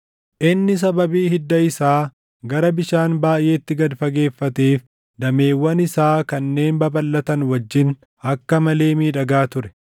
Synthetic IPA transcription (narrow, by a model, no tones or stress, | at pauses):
ʔɪnːɪs̬ɐbɐbiːhɪd̪ːɐɪsaː | ɡɐɾɐbɪʃaːnbaːjʔe̞ːt̪ːɪɡɐd̪fɐɡe̞ːfːɐt̪eːf | d̪ɐme̞ːwːɐnɪsaːkɐnːe̞ːnbɐbɐlːɐt̪ɐnwɐd͡ʒːɪn | ɐkːɐmɐle̞ːmiːᶑɐɡaːt̪ʊɾɛ̥